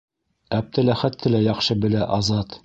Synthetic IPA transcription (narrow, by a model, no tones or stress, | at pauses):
æp̚t̪ɘlæχæt̪ːɘlæjɑχʃɤbɘ̆læʔɑzɑt̪